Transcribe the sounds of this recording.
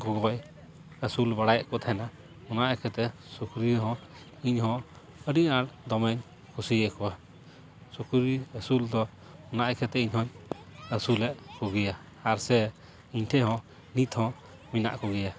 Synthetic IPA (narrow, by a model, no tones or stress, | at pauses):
ɡɔɡɔj | əsulbaɽajaʔkɔt̪ʰɛjna | ɔnaʔakʰɛt̪ɛ | sukɾiɾɦɔ̃ | iɲɦɔ̃ | əɖiʔaɽd̪ɔmɛɲ | kʰusiɛʔkɔa | sukuɾiəsuld̪ɔ | ɔnaʔjkʰɛt̪ɛiɲhɔɲəsulɛʔkuɡɛjaː | ɾsɛ | iɲʈʰɛɦɔ̃ | nit̪hɔ̃ | mina̰ʔkɔɡɛja